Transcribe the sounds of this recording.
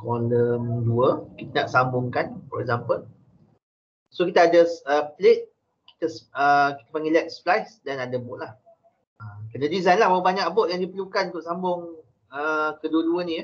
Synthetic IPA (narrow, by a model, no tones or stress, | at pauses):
kɔnəmduəkit̪ənaʔsambʊŋkanfɔɾɛk̚zampəl | sokit̪aːdəsəplet̪̚ | ki̥t̪asəki̥t̪apaŋɡilɛt̪̚splajsdanadabɔʔ̚lah | əkənədizajnlahmaubaɲakbɔʔjaŋdipəlukanut̪ʊʔsambʊŋ | əkəduəduənĩj